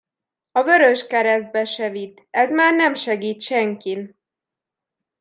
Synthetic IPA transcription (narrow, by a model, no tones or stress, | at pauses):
ɒvøɾøʃkɛɾɛzd̪̚bɛʃɛvit̪ː | ɛzmaːrnɛmʃɛɡiːt̪ʃɛŋkin